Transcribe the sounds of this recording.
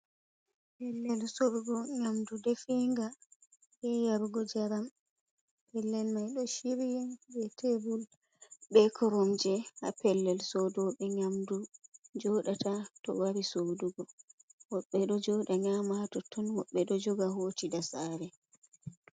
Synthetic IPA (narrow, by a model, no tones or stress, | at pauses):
pɛlːɛlsoɾuɡɔɲamdudefiŋɡa | ʔɛjaɾɡɔd͡ʒaɾam | pɛlːɛlmajɗɔʃiɾijɛbɛtʰebul | bɛkʰɔɾɔmd͡ʒɛha̰pɛlːɛlsɔdɔɓɛɲamdud͡ʒɔɗatatɔ̰waɾisoduɡɔwɔɓːɛɗɔd͡ʒɔːɗaɲamatɔtʰɔnwɔɓːɛɗɔd͡ʒɔɡaɦoːtidasaːɾɛ